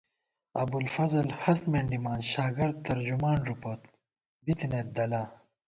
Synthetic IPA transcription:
ɐbulfɐzɐlhɐst̪meɳɖimaːnɕaːɡɐɾd̪̚t̪ɐɾd͡ʑumaːnɾupoːt̪̚ | bit̪inet̪̚d̪ɐlaː

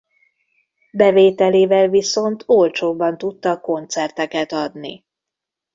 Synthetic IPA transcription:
bɛveːt̪ɛleːvɛlviso̞nt̪ʰolt͡ʃoːbːɒnt̪ut̪ːɒko̞nt̪sɛrt̪ɛkɛt̪ɒd̪nḭ

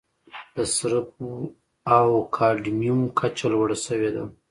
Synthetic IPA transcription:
d̪̥əsɾəp̚u | awkʰɑɖmijumkʰat͡ʃalwəɽasəwed̪a

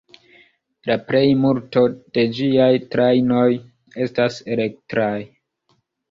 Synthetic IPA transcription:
laple̞jmuɾto̞d̥e̞d͡ʒiajtɾajno̞j | e̞stase̞le̞k̚tɾaj

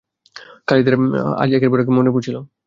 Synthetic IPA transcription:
kalid̪eɾa̰d͡ʑiakeɾboɾek̬emonepuɾt͡ɕʰilo

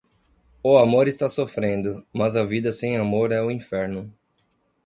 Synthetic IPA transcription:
ʊamoɾɪst̪asofɾẽnd̪ʊmɐzɐvid̪ɐsẽj̃amoɾɛʊĩfɛɾnʊ

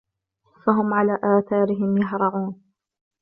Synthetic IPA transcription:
faɦʊmʕalaːʔaːθɑːɾɪɦɪmjaɦɾˤɑʕuːn

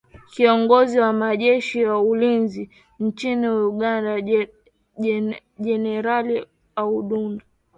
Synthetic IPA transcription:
kiɔŋɡɔziwamaʄɛʃijaulinzi | nt͡ʃiniuɠanda | ʄɛnɛɾali | auɗunda

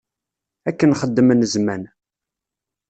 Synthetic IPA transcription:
ækːənχəd̪ːəmənəzmæn

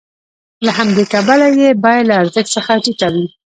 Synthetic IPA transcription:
lahamd̪ekabalajebɑjad̪laːɾzəxt̪səxaʈikawi

